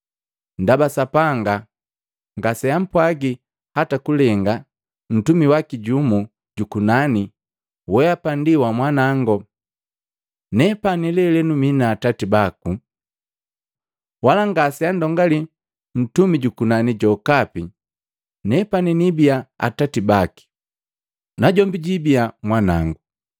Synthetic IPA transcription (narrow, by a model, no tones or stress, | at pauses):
ndabasapaŋɡa | ŋɡasɛjam̩pwaɡi | hatakulɛŋɡa | n̩tumiwakiɟumu | ɟukunani | wɛapandiwamwanaŋɡɔ | nɛpanilɛlɛnuminaːtatibaku | walaŋɡasiandɔŋɡali | n̩tumiɟukunaniɟɔkapi | nɛpaninibiaa̰tatibaki̥ | naɟɔmbiɟibiamwanaŋɡu